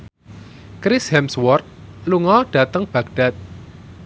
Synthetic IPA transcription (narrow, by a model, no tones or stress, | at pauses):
kɾɪshɛmswɔrt̪̚luŋɔɖ̥a̤t̪əŋb̥ä̤ɡ̚ɖ̥a̤t̪̚